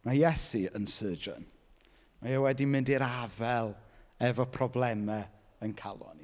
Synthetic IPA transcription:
majɛsiənsəːd͡ʒə̰n | majawɛdimɪndiɾavɛlˠɛvɔpʰrɔblˠɛmɛ | ənkʰalˠɔ̰n

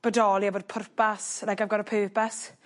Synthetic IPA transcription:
b̥ədɔlˠiaboːd̚pʰʊrpaslaɡamɡɔɾɔpʰəːpas

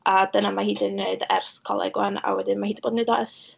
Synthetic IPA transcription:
adənamahiːdɪnːeɨdɛrskʰɔ̰lˠɛ̰ɡwana̰wɛdɪnmahiːdboːdneːdas

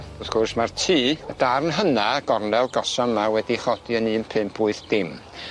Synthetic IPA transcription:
ʊθkʰɔrsmartʰiːədarnɦənaɡ̥ɔrnɛlˠɡɔsɔmawɛdiχɔd̥iənɨːnpʰɨmpʰʊɨθd̥ɪm

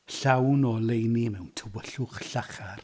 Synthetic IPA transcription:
ɬawnɔlejnimɛwntʰəwəɬʊχɬaχar

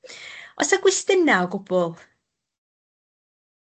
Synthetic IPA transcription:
ɔ̰səɡwɪstɪnaɔɡʊbʊlˠ

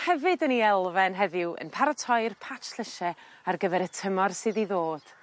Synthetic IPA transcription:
hɛvɨdəniɛlˠvɛnɦɛvɪwə̰npʰaɾatʰɔjrpʰat͡ʃɬl̥ɪʃɛ | arɡəvɛɾətʰəmɔrsɨðiðoːd̥

